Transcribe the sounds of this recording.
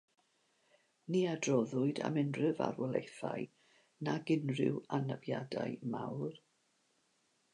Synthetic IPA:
niadrɔðʊɨda̰mɪnrɨva̰rwɔlˠejθaɨ | naɡɪnrɪ̰wanəvjadajmawr

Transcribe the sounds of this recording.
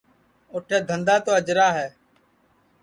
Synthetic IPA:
oːʈʰeːd̪ʱənd̪aːt̪oːəd͡ʒɾaːɦɛː

